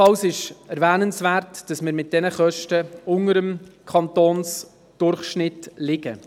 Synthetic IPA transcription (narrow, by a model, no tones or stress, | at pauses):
ɑwsɪʃɛɾʋæːnənsvæːɾtd̥ɑsmɪɾmɪt̚d̥ɛnəχœʃtəʊŋəɾəmkʰɑntoːns | d̥ʊrχʃnɪtlɪɡə̰